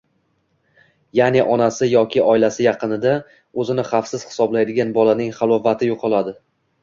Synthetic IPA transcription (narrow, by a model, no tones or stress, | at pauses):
janɪʔɒnasɪjɒkʲʰɪɒɪlasɪjɑqɨnɪd̪a | ɵzɪnɪχɑfsɪz̥hɪ̥sɒblajd̪ɪɡʲanbɒlanɪŋχɑlˠɒvat̪ʰɪjoqʰɒlˠad̪ɪ